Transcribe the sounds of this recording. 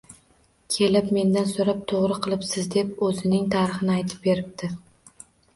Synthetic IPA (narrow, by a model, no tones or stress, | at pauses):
kʲʰe̞lɪpme̞nd̪ansoɾap̚t̪ʰoʁɾɨqʰɨlˠɪpsɪzd̪e̞pɵzɪnɪŋt̪ʰaɾɪχɪnɪajt̪ʰɪ̥p̚be̞ɾɪp̚t̪ʰɪ